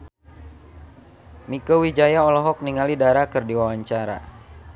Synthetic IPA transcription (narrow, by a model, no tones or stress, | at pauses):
mikowid͡ʒajaɔlɔɦɔk̚niŋalidaɾakɨrdiwawaɲt͡ʃaɾa̰